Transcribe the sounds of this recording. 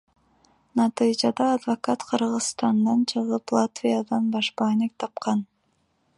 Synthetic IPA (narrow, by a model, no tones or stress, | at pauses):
nɑt̪ɨjd͡ʒɑd̪ɑːd̪vakɑt̪qʰɯɾʁɯzst̪ɑnd̪ɑnt͡ʃʰɯʁɯplˠat̪vʲijad̪ɑnbɑʃpɑnek̚t̪ʰɑpqɑn